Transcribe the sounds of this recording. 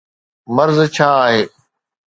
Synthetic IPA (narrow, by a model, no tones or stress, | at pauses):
məɾzt͡ɕʰaːɦeː